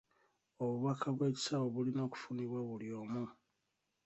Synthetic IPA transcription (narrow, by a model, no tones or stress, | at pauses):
o̞βuβakaβwe̞ːci̥saβo̞βulino̞ːku̥funiβwaβulio̞ːmu